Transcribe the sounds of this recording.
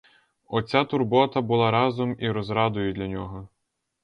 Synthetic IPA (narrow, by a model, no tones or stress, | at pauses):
ɔt͡sʲat̪ʊrbɔt̪ɐbʊlˠɑɾɑzɔmiɾɔzɾɑd̪ʊjʊd̪ʲlʲɐnʲɔɦɔ